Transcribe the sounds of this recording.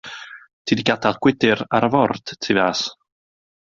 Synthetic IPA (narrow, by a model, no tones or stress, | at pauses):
tʰiːdiɡadalɡ̥wɪdɪɾaɾəvɔrd̥tʰivas